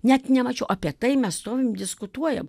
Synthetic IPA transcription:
nʲɛt̪nʲɛmɐt͡ʃʲɛʊʔɐːpʲiɛt̪ɐɪmʲɛsst̪oːʋʲɪmd̪ʲɪskʊt̪uɔjɛm

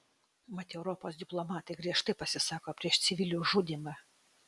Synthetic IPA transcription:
mɐt̪ʲɛʊɾopoːsd̪ʲɪplˠɔmɑːt̪ɐɪɡɾʲiɛʃt̪ɐɪpɐsʲɪsɑːkoːpʲɾʲiɛʃt̪sʲɪʋʲɪlʲuːʒud̪ʲimɑ

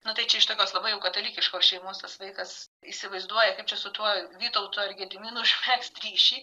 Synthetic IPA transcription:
nʊt̪ɐɪt͡ʃʲɛɪʃt̪ɐkʲoːslˠɐbɐɪjɛʊkɐt̪oːlʲiːkʲɪʃkoːsʃʲɛɪmoːst̪ɐsʋɐɪkɐs | iːsʲɪʋɐɪzd̪uɔjɛkɐɪpt͡ʃʲɛsʊt̪uɔʋʲiːt̪ɐʊt̪uːɐrɡʲɛd̪ʲɪmʲiːnuʒʲmʲækst̪ɾʲiːʃʲiː

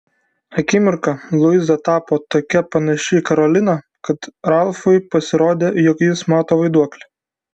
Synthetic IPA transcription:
ɐkʲɪmʲɪɾkɐlˠʊɪzɐt̪ɑːpoːt̪oːkʲɛpɐnɐʃʲɪkɐɾɔlʲɪnɐ | kɐt̪ɾɑlˠfʊɪpɐsʲɪɾoːd̪ʲeːjɔkjɪsmɑːt̪oːʋɐɪd̪uɔklʲɛ

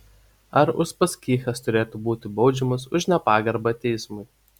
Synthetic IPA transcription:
ɐɾʊʃpɐskʲiːxʲɐst̪ʊɾʲeːt̪ubuːt̪ʲɪbɒʊd͡ʒʲɛmɐsʊʃnʲɛpɑːɡɐɾbɐt̪ʲɛɪsmʊɪ

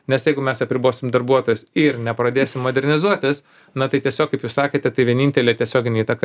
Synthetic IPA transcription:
nʲɛsjɛɪɡʊmʲɛsɐpʲɾʲɪboːsʲɪmd̪ɐɾbuɔt̪oːjʊsɪɾnʲɛpɾɐd̪ʲeːsʲɪmːoːd̪ʲɛɾʲnʲɪzuɔt̪ʲɪs | nɐt̪ɐɪt̪ʲiɛsʲoːkːɐɪpjuːsɑːkʲeːt̪ʲɛt̪ɐɪʋʲiɛnʲiːnʲt̪ʲɛlʲeːt̪ʲɛsʲoːɡʲɪnʲeiːt̪ɐkɐ

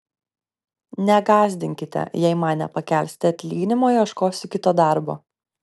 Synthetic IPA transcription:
nʲɛɡɑːzʲd̪ʲɪŋʲkʲɪt̪ʲɛ̰jɛɪmɑːnʲɛ̰pɐkʲɛˑlʲsʲt̪ʲɪɐt̪ʲlʲiːɡʲɪnʲɪmoːɪɐʃkoːsʲɪkʲɪt̪oːd̪ɑˑɾbo̰ː

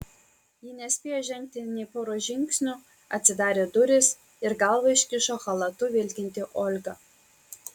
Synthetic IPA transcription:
jɪnʲɛsʲpʲeːjoːʒʲɛŋʲk̚t̪ʲɪnʲɛɪpoːɾoːʒʲɪŋʲksʲnʲʊ | ɐt̪ʲsʲɪd̪ɑːɾʲeːd̪ʊɾʲɪs | ɪɾɡɑlˠʋɐɪʃʲkʲɪʃoːxɐlˠɐt̪ʊʋʲɪlʲkʲɪnʲt̪ʲɪʔoːlʲɡɐ

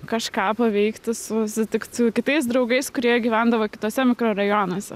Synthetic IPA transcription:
kɐʃkɑːpɐʋʲɛɪkt̪ʲɪsʊsʲɪt̪ʲɪkt̪ʊkʲɪt̪ɐɪs̬d̪ɾɒʊɡɐɪskʊɾʲiɛɡʲiːʋʲæˑnd̪ɐʋoːkʲɪ̥t̪oːsʲɛmʲɪkɾoɾɐjoːnoːsʲɛ

